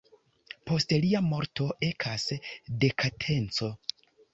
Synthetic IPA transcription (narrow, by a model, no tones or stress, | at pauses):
po̞stliamo̞ɾto̞e̞kʰasde̞kʰatʰe̞nt͡so̞